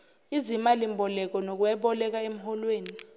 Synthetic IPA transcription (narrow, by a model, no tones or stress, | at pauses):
izimalimbʱɔlɛk̬ɔnok̬uɛɓɔlɛk̬aem̩ɦɔlweːni